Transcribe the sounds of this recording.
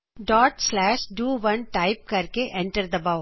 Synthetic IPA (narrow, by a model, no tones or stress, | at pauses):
ɖɔːʈslɛːʃɖuːʋɐ̃nʈaːɪp̚kɐɾkeʔɛ̃ɳʈəɾd̪əbaʊ